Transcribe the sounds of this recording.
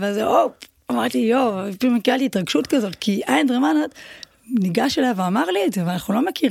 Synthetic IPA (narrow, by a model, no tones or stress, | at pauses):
veazeʔop | amaʁt̪ijopimekiʁalt̪iːt̪ʁaɡʃutkazo̞t̪kʰiʔajandʁemanat̪ | niɡaʃelaveamaʁliedzeveanaχnulo̞mekʰiʁ